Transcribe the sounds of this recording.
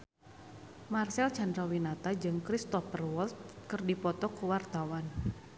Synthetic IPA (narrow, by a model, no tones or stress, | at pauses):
marsɛlt͡ʃandɾawinat̪ad͡ʒɨŋkɾist̪ɔfərwɔlt̪̚kɨrdipɔt̪ɔkuwart̪awan